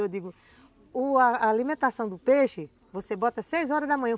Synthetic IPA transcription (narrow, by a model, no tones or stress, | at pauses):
ewd̪iɡʊ | ʊaalimẽnt̪asɐ̃w̃d̪ʊpeʃɪ | vosebɔt̪ɐsejzɔɾɐzd̪ɐmɐ̃ɲ̃ɐ̃